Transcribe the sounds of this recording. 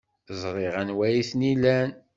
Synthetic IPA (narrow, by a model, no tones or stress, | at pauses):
zˤɾˤeʁænwæjiθnilæn